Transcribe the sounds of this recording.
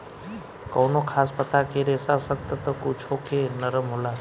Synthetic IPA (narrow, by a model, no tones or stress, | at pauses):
kəwnokʰaːspət̪akeɾesasət̪ːət̪əkut͡ʃʰokenəɾəmɦola